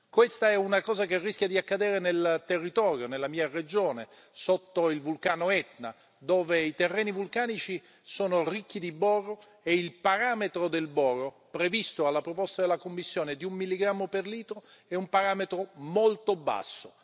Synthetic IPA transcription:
kwest̪aɛunakɔːzakerːisk̟jad̪iakːad̪ɛːɾenelt̪erːit̪ɔːɾjonelːamiːared͡ʒoːne | sot̪ːoilvulkaːnoɛt̪na | d̪oːveit̪erːɛːnivulkaːnit͡ʃi | soːnorikːid̪ibɔrːo | eilpaɾaːmet̪ɾod̪elbɔrːo | pɾevist̪oalːapɾopɔst̪ad̪elːakomːisːjoːned̪iumːilːiɡɾamːoperliːt̪ɾoɛumpaɾaːmet̪ɾomolt̪oba̰sːo

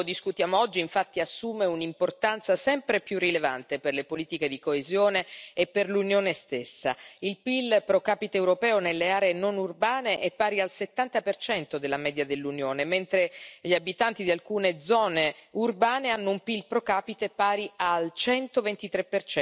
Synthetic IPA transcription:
od̪iskut̪jaːmoɔd͡ʒːiiɱfat̪ːiasːuːmeunimport̪ant̪sasɛmpɾepjurːileva̰nt̪eperlepoliːt̪iked̪ikoezjoːneːpːerlunjoːnest̪esːa̰ilpilpɾokaːpit̪eːwɾopɛːonelːeaːɾeːnonurbaːneʔepːaːɾialset̪ːant̪apert͡ʃɛnt̪od̪elːamɛːd̪jad̪elːunjoːnement̪ɾeʎiabit̪ant̪id̪ialkuːned̪zɔːneurbaːneanːoumpilpɾokaːpit̪epaːɾialt͡ʃɛnt̪ovent̪it̪ɾepːert͡ʃɛ

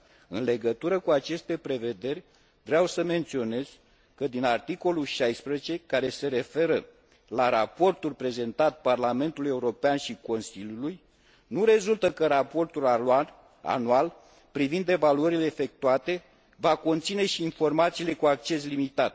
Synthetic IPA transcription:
ɨnle̞ɡət̪uɾəkuat͡ʃe̞st̪e̞pɾe̞ve̞d̪e̞rʲ | vɾeawsəme̞nt̪sio̞ne̞z̥ | kəd̪inart̪iko̞lulʃajspɾezet͡ʃe̞kaɾe̞se̞ɾe̞fe̞ɾə | laɾapo̞rt̪ulpɾe̞ze̞nt̪at̪̚parlame̞nt̪uluje̞uɾo̞peanʃiko̞nsilʲjuluj | nuɾe̞zult̪əkəɾapo̞rt̪ul | a̰nual | pɾivind̪e̞valuəɾile̞ːfe̞k̚t̪uat̪e̞ | vako̞nt̪sine̞ʃiːnfo̞rmat̪siːle̞kuak̚t͡ʃe̞slimit̪at̪̚

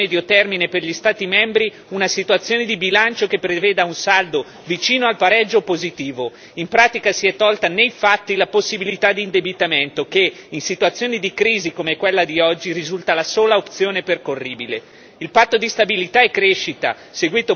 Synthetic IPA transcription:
ɛd̪jot̪ɛrmineperʎist̪aːt̪imɛmbɾi | unasit̪uat̪sːjoːned̪ibilant͡ʃokepːɾeveːd̪aunsald̪o | vit͡ʃiːnoalpaɾɛd͡ʒːopozit̪iːvo | impɾaːt̪ikasiɛt̪ːɔlt̪anejfat̪ːilaposːibilit̪ad̪iːnd̪ebit̪ament̪okeinsit̪uat̪sːjoːnid̪ikɾiːzikomekwelːad̪iɔd͡ʒːiɾizult̪alasoːlaop̚t̪sjoːneperkorːiːbile | ilpat̪ːod̪ist̪abilit̪aɛkːɾeʃːit̪a̰ | seɡwiːt̪o

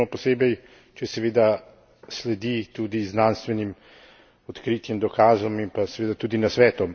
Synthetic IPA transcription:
ɔpɔseːbɛj | t͡ʃɛsɛʋeːd̪a | slɛd̪it̪uːd̪iznaːnst̪ʋɛnim | ɔt̪kɾiːt̪jɛmd̪ɔkaːzɔmimpasɛʋeːd̪at̪uːd̪inasʋɛːt̪ɔ

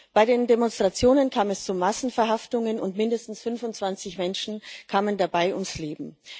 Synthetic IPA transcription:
b̥aɪdeːndemɔnstʁ̥at͡sjoːnənkʰaːmɛst͡sumasn̩fɛɐɦaftʊŋənʊ̰ntmɪndəstn̩sfʏnfʊntt͡sv̥ant͡sɪçmɛnʃn̩kʰaːməndabaɪʔʊ̰msleːbm̩

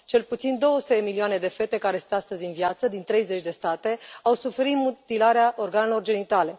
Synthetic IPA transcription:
t͡ʃe̞lput̪sind̪o̞wəsu̥t̪ed̪emilioane̞d̪e̞fe̞t̪e̞kaɾesɨ̥nast̪əzʲinvjat̪səd̪int̪ɾe̞jze̞t͡ʃʲd̪e̞st̪at̪e̞awsufe̞ɾit̪mut̪ilaɾeaʔo̞rɡane̞lo̞rd͡ʒe̞nit̪ale̞

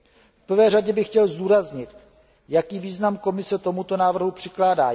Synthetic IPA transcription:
fpr̩vɛːr̝aɟɛbɪxcɛlzd̪uːɾazɲɪt̪ | jakiːviːznamko̞mɪsɛt̪o̞mut̪o̞naːvr̩ɦupr̝̥ɪklaːdaː

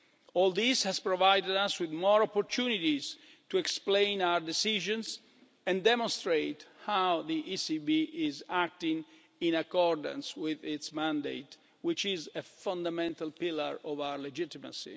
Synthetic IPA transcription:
ɔlˠd̪ishɛz̥pɹɔvajdɛdaswɪðmɔɹɔpɔɾt̪ʰunit̪iz̥ | t̪uɛksplẽjnawəɹdɛsiʒə̃nz | ɛ̃ndɛmɔ̃nst̪ɾeɪt̪hawðiʔisibiʔɪzæk̚t̪ĩŋ | ĩnakɔɹd̪ə̰̃nswɪðɪtsmæ̃nd̪ḛɪt̪ | wɪt͡ʃɪzefãnd̪amɛ̃nt̪alpiləɹɔvawəɹled͡ʒɪt̪ima̰sḭ

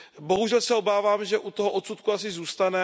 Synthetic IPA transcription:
bo̞ɦuʒɛlsɛo̞baːvaːmʒɛʔut̪oɦoʔot̪sut̪̚kuas̬ɪzuːst̪anɛ

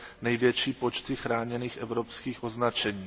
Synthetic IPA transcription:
nɛjvjɛt͡ʃiːpot͡ʃt̪ɪxɾaːɲɛniːxʔɛvɾopskiːxʔoznat͡ʃɛɲiː

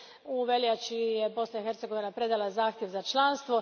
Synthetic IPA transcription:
uʋeljat͡ʃije̞bo̞snaixe̞ɾt̪seɡo̞ʋinapɾe̞d̪alazaːxt̪jeʋzat͡ʃlˠanst̪ʋo̞

